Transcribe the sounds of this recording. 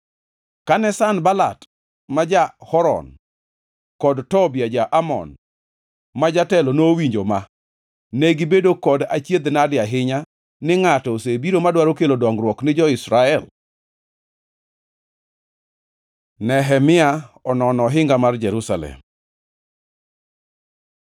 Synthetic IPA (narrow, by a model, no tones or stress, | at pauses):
kanɛsanbala̰t | mad͡ʒahɔɾɔ̰n | kɔdtɔbɪjad͡ʒaʔamɔ̰n | mad͡ʒatɛlonowiɲd͡ʒoma | neɡɪbedokɔdat͡ʃjed̪nadɪaɦɪɲa | nɪŋatɔsebiɾomadwaɾokelodɔŋɡɾwɔknɪd͡ʒɔɪsɾaɛl | nɛɦɛmɪaɔnɔnɔɦɪŋɡamard͡ʒɛɾusalɛ̰m